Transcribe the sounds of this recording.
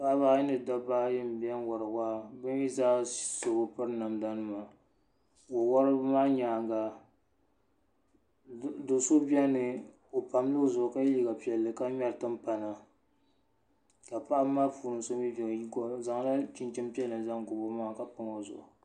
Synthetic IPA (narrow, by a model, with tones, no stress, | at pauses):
ba˦baː˦jɪ˦nɨ˨da˦baː˦jɪ˦m˨bɛ˦n˦wa˨ɾɨ˨ɡa˦bɨ˦n˦ji˦zaː˦so˨ɡo˨pɨ˦ɾna˨mda˦nɨ˦ma˨ | wo˨wɔ˦ɾɨ˦maː˦ɲaː˨ŋɡa˨ | do˨so˦bɛ˦nɨ˨ | o˨pa˨m˦lo˦zʊ˨ʔʊ˨ka˦i˦ɡa˨pi˨ɛ˨lːɨ˨ka˦ɲɛ˦ɾtɨ˦m˦pa˨na˨ | ka˨pa˦ʔa˦maː˦puː˨nɨ˨n˨so˦mi˦bi˨ŋ˨˦˨za˨ŋ˦la˦t͡ʃi˦nt͡ʃɪ˦mpɛ˦lɨ˨za˦ŋɡʊ˨bo˦maː˦˨ka˨pʊ˨ŋo˦zʊ̰˨ʔʊ˨